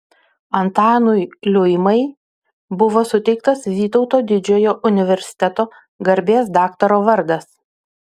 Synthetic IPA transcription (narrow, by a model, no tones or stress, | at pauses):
ɐnt̪ɑːnʊjlʲʊjmɐɪ | bʊʋoːsʊt̪ʲɛɪk̚t̪ɐsʋʲiːt̪ɒʊt̪oːd̪ʲɪd͡ʒʲoːjoːʔʊnʲɪʋʲɛɾʲsʲɪ̥t̪ʲɛt̪oː | ɡɐɾʲbʲeːsd̪ɑːkt̪ɐɾoːʋɐɾd̪ɐs